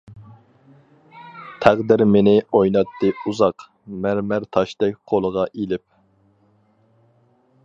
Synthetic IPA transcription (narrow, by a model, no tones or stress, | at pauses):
t̪ʰæʁd̪ɪɾmenɪojnɑt̪ʰːɨuzɑq | mæɾmæɾt̪ʰɑʃd̪ɛk̚ʲqʰolˠəʁɑʔilɪp̚